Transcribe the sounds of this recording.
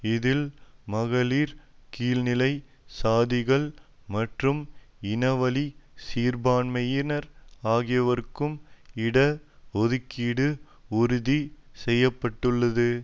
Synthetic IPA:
ɪðɪlmɐɣɐliːɾkiːlnɪlɐɪ | saːðɪɣɐɭmɐʈrɯmɪnɐʋɐlisiːɾbaːnmɐjɪnɐɾaːɣɪjɐʋɐɾɯkːɯmɪɽɐɔðɯkːiːɽɯ | ʊɾʊðisɛjːɐpːɐʈːɯɭːɐðɯ

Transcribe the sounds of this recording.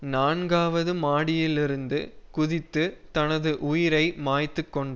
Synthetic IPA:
naːɳɡaːʋɐðɯmaːɽɪjɪlɪɾɯnd̪ɯkʊðɪt̪ːɯt̪ɐnɐðɯʔʊjɪɾɐɪmaːjt̪ːɯkːɔɳɖɯ

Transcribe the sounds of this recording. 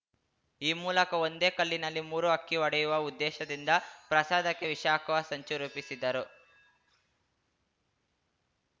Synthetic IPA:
iːmuːlɐkɐo̞nd̪e̞ːkɐlːinɐlːimuːɾuɐkːiʋɐɽɐjuʋɐud̪ːɛːʃɐd̪ind̪ɐpɾɐsaːd̪ɐkːeʋiʃaːkɐʋɐsɐɲt͡ʃuɾuːpisid̪ɐɾu

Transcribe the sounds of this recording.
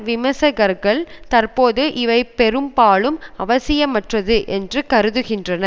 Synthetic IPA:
ʋɪmɐsɐɣɐɾɣɐɭt̪ɐɾpoːðɯʔɪʋɐɪpːɛɾɯmpaːɭɯmɐʋɐsɪjɐmɐʈrɐðɯʔɛndrɯkɐɾɯðɯɣɪndrɐnɐ

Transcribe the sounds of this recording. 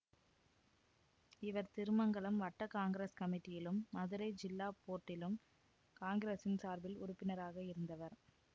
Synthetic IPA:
ɪʋɐɾt̪ɪɾɯmɐŋɡɐɭɯmʋɐʈːɐkaːŋɡɪɾeːskɐmɪʈːɪjɪlɯmːɐðɯɾɐɪd͡ʒɪlːaːpoːʈːɪlɯm | kaːŋɡɪɾeːsɪnsaːɾbɪlʊ̰ɾʊpːɪnɐɾaːɣɐɪɾɯnd̪ɐʋɐɾ

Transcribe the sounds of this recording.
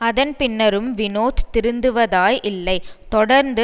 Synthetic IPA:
ɐðɐnpɪnːɐɾɯmʋɪnoːt̪t̪ːɪɾɯnd̪ɯʋɐðaːjʔɪlːɐɪt̪ɔɽɐɾnd̪ɯ

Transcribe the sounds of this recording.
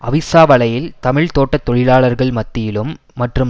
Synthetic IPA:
ʔɐʋɪsaːʋɐɭɐjɪlt̪ɐmɪɭt̪oːʈːɐt̪ːɔɻɪlaːɭɐɾɣɐɭmɐt̪ːɪjɪlɯmː | ɐʈrɯm

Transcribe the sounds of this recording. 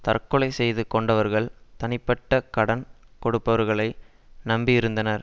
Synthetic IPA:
t̪ɐ̰rkːɔɭɐɪsɛjðɯkɔɳɖɐʋɐɾɣɐɭt̪ɐnɪpːɐʈːɐkɐɽɐnkɔɽɯpːɐʋɐɾɣɐɭɐɪ | nɐmbiɪɾɯnd̪ɐnɐɾ

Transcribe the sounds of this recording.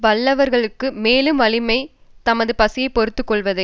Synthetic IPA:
ʋɐɭːɐʋɐɾɣɐɭɯkːɯmeːlɯmʋɐɭɪmɐɪt̪ɐmɐðɯpɐsɪjɐɪpɔɾɯt̪ːɯkːɔɭʋɐðɐ

